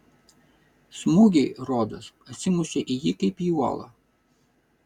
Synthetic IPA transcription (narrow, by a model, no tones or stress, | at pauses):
smuɡʲɛɪɾɔːd̪ɐsɐt̪ʲsʲɪmuʃʲeʔɪjikɐɪpjuɔ̰lˠɐ̰